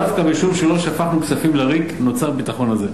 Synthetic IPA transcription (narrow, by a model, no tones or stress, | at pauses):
afkabiʃuvʃelo̞ʃafaχnuksafimleʁikno̞t͡saʁbit̪aχo̞naze